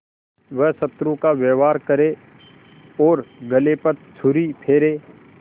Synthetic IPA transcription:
ʋəɦsɐt̪ɾũkaʋeːʋaːɾkəɾe | ɔːɾɡəlepɐɾt͡ʃʰʊɾipʰeːɾeː

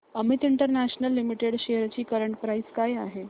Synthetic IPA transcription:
əmit̪iɳʈəɾnæɕnəlːimiʈeɽɕejəɾt͡ɕiːkəɾəɳʈ̚pɾaiskajaɦe

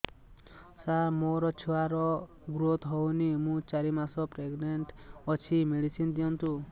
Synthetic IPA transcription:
samoɾɔt͡ʃʰuaɾɔ | ɡɾot̪ɦɔwnimũt͡ʃaɾimasɔpɾeɡneɳʈɔt͡ʃʰimeɭisind̪ijɔnt̪u

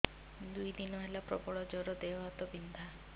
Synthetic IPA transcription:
d̪ujd̪inɔɦelapɾɔ̰bɔɭɔd͡ʒɔɾɔd̪eɔɦat̪ɔbind̪ʱa

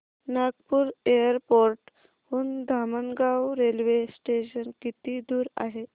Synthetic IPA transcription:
naɡpuːɾejəɾpoɾʈ | huːnd̪ʱamənɡawɾelʋesʈeɕənkit̪iːd̪uːɾa̰ɦe

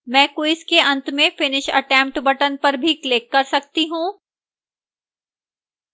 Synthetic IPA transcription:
mɛ̃ːkʊɪskeɐ̃nt̪mẽfɪnɪʃɐ̰ʈɛ̃ːmp̚ʈbɐʈənpɐɾbʱikleːkːɐɾsɐk̚t̪iɦũː

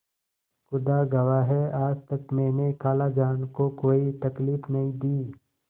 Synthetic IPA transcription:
xʊd̪aɡɐʋaɦɛaːd͡ʒt̪ɐkmɛ̃ːnekaːlad͡ʒaːnkokoːit̪ɐkliːfnɐɦĩd̪iː

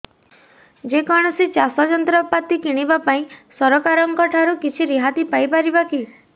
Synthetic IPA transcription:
d͡ʒekɔɽ̃ɔsit͡ʃasɔd͡ʒɔnt̪ɾɔpat̪ikiɽ̃ibapaĩsɔɾɔkaɾɔŋkɔʈʰaɾukit͡ʃʰiɾiɦat̪ipajpaɾibaki

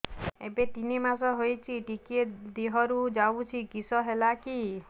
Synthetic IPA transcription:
ebet̪inimasɔɦojt͡ʃʰiʈikied̪iɦɔɾud͡ʒaut͡ʃʰikisɔɦelaki

